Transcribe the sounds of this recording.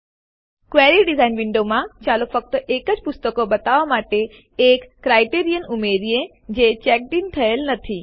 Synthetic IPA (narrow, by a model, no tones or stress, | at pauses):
kʋeɾiɖizainʋɪ̃ɳɖomãt͡ʃalofək̚t̪əʔekəd͡ʒpʊst̪əkobət̪aʋamaʈe | ekːɾajʈeɾijənumeɾiẽ | d͡ʒet͡ʃɛk̚d̪int̪ʰəelnət̪ʰi